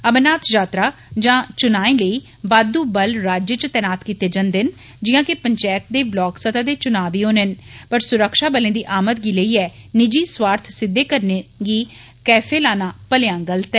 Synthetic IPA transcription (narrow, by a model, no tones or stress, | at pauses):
əbnaːt̪ʰd͡ʒaːt̪ɾaː | d͡ʒãːt͡ʃʊnaːẽːləiː | baːd̪uːbəlɾaːd͡ʒjət͡ʃət̪ɛːnaːt̪kiːt̪eːd͡ʒənd̪ɪn | d͡ʒɪːãːkepəɲt͡ʃɛːt̪̚d̪eːblɔːksət̪aːd̪eːt͡ʃʊnaːʋiːɦoːnɦənpəɾsʊɾəkʃaːbəlẽːd̪iːʔaːmət̪ɡiːləiːɛːnɪd͡ʒiːswaːɾt̪ʰsɪd̪ːeːkəɾneɡiː | kɛːfʰeːlaːnaːpəlɪjãːɡəlt̪ɛː